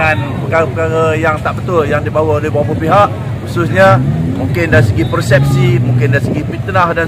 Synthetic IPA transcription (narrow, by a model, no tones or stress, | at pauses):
anpəkaɣapəkaɾajaŋt̪aʔbət̪ʊljaŋdibawaoleɦbawapəpiɦaʔ | xusʊsɲəmũŋkɪndaɾisəɡipərsɛp̚simũŋkɪndaɾisəɡifint̪nahdan